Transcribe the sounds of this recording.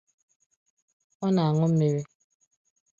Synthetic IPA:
ɔ˦na˨a˨ŋʊ˦m̩˦me˦ɾi˦

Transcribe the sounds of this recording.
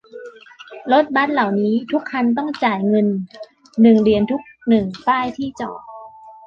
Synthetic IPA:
lo˦˥t̪̚ba˦˥t̪̚la˨˩wniː˦˥t̪ʰu˦˥kʰːa˧nt̪̬ɔ˥˩ŋt͡ɕaː˨˩jŋɤ˧nː | ɯ˨˩ŋɾi˧˩ənt̪ʰu˦˥k̚nɯ˨˩ŋpaː˥˩jt̪ʰiː˥˩t͡ɕɔ̰ː˨˩

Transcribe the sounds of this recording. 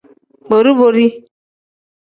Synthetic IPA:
bo˨ɾi˦bo˨ɾi˦

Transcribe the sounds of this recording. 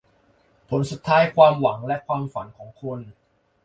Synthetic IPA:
pʰo˩˦nsu˨˩t̪ʰːaː˦˥jkʰwaː˧mwa˩˦ŋlɛ˦˥kʰwaː˧mfa˩˦nkʰɔː˩˦ŋkʰo˧n

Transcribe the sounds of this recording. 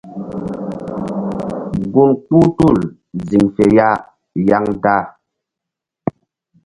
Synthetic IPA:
ɡu˦˨nku˦tu˦˨l | zi˨mfɛ˨ja˦ | ja˦ŋta˦

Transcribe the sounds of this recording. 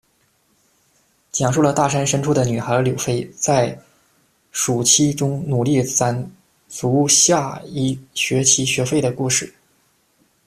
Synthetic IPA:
t͡ɕjɑ˨˩ŋʂu˥˩lə˩t̪a˥˩ʂa˥nʂə˥nʈ͡ʂʰu˥˩d̪ə˩ny˨˩xə˧˥ljo˨˩fe˥ɪt͡sa˥˩ɪ | ʂu˨˩t͡ɕʰi˥ʈ͡ʂʊ˥ŋnu˨˩li˥˩t͡sa˥˩n | t͡su˧˥ɕja˥˧i˥˩ɕɥɛ˧˥t͡ɕʰi˧˥ɕɥɛ˧˥fe˥˩ɪd̪ə˩ku˥˧ʂɻ̩˥˩

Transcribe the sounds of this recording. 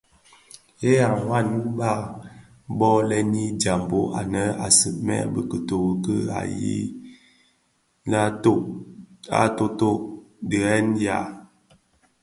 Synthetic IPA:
e˦a˨wa˦˨n˦ba˦˨ | bɔ˦lɛ˦ni˦d͡ʒa˨mbo˨ʔa̰˨nə˦a̰˨sə˨ʔmɛ̰˦bə˨kə˨to˨ɣə˨kə˦a̰˨jḭ˦ | na˦to˦ | a̰˦to˦to˦˨də˨ɛ˦nja̰˨

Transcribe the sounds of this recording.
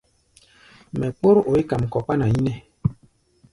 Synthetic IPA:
mɛ˨k͡po˦ɾo˨i˦ka˨m˨kɔ˨pa˦na˨ji˦nɛ˦

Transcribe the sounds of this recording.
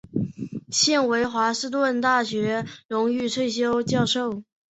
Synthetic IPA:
ɕjɛ˥˩nwe˧˥ɪxwa˧˥ʂɻ̩˥˧t̪wə˥˧nt̪a˥˩ɕɥɛ˧˥ɻʊ˧˥ŋy˥˧t͡sʰwe˥˩ɪɕ̬jo˥ʊt͡ɕjɑ˥˧ʊʂo˥˩ʊ

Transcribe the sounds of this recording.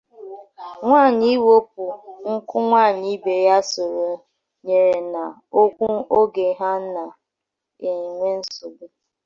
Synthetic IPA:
ŋʷaː˦˨ɲi˦wo˦p̚u˨ŋ̩˦kʊ˦ŋʷaː˦˨ɲi˦be˨ja˦so˨ɾo˨ | ɲe˨ɾe˨na˨ | o˦kʷu˦o˦ɡe˨ɦa˦n̩˦na˨ | e˨ŋʷe˦n̩˦su˨bu˨

